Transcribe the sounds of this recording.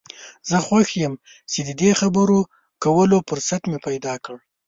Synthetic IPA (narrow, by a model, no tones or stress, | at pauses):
zəxwaxjəm | t͡ʃed̪əd̪exabəɾo | kawəlopʊɾsat̪mepajd̪ɑkəɽ